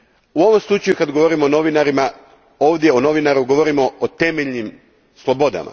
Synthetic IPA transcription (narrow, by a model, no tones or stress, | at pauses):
uo̞ʋomslˠut͡ʃajukad̪ɡo̞ʋoɾimoːno̞ʋinaɾima | o̞ːʋd̪je̞ono̞ʋinaɾuɡo̞ʋo̞ɾimo̞ot̪emeʎnim | slˠo̞bo̞d̪a̰ma̰